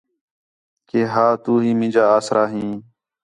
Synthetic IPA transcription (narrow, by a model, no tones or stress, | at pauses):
keːɦaːt̪uːɦĩːmɪ̃ːd͡ʒaːaːsɾaːɦĩː